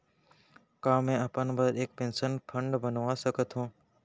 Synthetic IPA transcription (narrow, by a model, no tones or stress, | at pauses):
kãːmẽːəpənbəeːk̚pẽːnsənpʰəɳɖbənʋãsəkət̪ɦũː